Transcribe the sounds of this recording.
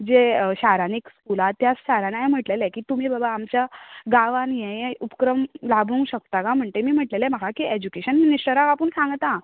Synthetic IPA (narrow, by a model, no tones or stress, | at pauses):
d͡zeɕaɾanekskulat̪ːjat͡sɕaɾanajẽm̤əʈlelɛkiːt̪um̤iːbəbaːmt͡ɕjaɡaʋanjẽjẽupkɾəmlabʱũŋɡɕək̚t̪akam̤əɳt̪emiːm̤əʈlelɛməkakied͡ʑukeɕənminisʈəɾakapəɳsãŋɡt̪a